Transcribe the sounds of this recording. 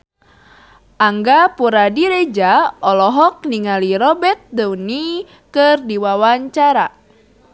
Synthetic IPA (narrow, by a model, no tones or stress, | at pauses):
ʔaŋɡapuɾadiɾed͡ʒaɔlɔɦɔk̚niŋaliɾɔbɛt̪̚dɛwni | kɨrdiwawaɲt͡ʃaɾa